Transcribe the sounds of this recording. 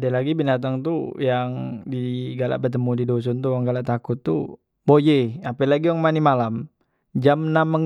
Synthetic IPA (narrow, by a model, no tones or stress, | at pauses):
dalaɡibinat̪aŋt̪ujaŋdiɡala̰ʔbət̪əmudidos̬ɔnt̪uaŋɡalaʔt̪akʊt̪ːu | bojeapɛlaɡijaŋmanimalam | d͡ʒamnamːəŋ